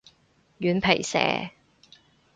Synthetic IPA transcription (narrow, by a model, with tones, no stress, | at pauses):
jyː˨˥npʰe˨˩jsɛ̰ː˨˥